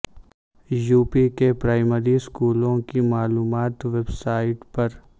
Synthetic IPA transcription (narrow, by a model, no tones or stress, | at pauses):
juːpikepɾaːɪməɾiskuːlõkimaːluːmaːt̪ʋeːbsaːɪʈpɐɾ